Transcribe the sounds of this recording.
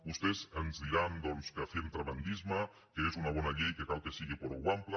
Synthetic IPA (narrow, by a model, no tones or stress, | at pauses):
bust̪ezənzðiɾand̪ɔnskafent̪ɾaβand̪izma | kəezunɐβ̞ɔnɐʎejkekalˠkesiɣipoɾoɣwampla